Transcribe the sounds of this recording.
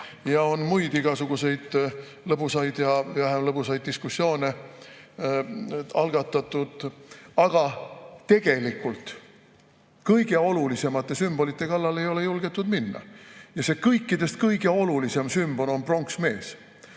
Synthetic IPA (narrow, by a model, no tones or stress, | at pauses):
jɑo̞nmujd̪iɡ̥ɑsuɡ̥use̞jd̪̥ | lɤbusɑjd̪̥jɑvæɦemlɤbusɑjd̪̚d̪iskusːjo̞ːne | ɑlɡ̥ɑt̪ːˑɑt̪ːˑud̪̥ɑɡ̥ɑt̪e̞ɡ̥e̞likːˑult̪ | kɤjɡ̥e̞o̞lulise̞mɑt̪ːˑe̞symb̥o̞lit̪ˑːe̞kɑlːɑle̞jo̞le̞julɡ̥e̞t̪ːˑud̪̥minːɑ̰jɑse̞kɤjkːˑid̪̥e̞st̪̚kɤjɡ̥e̞o̞lulise̞msymb̥o̞no̞npro̞ŋksme̞ːs